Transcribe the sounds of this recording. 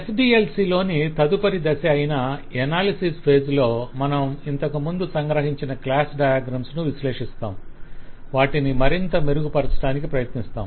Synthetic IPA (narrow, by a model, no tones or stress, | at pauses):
esɖiːelsiːlo̞ːnit̪ɐd̪upɐɾid̪ɐsɐɐjinaɛnaːlisispʰe̞ːd͡ʒlo̞ːmɐnɐmint̪ɐkumund̪usɐŋɡɾɐɦiɲt͡ʃinɐklaːsɖɐjaːɡɾɐmsnuʋiʃleːʂist̪a̰ːm | ʋaːʈinimɐɾint̪ɐme̞ɾuɡupɐɾɐt͡ʃɐ̥ʈaːnikipɾɐjɐt̪nist̪a̰ːm